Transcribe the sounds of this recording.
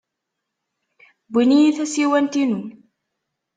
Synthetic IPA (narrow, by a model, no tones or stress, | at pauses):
binijiθæsiwænt̪inu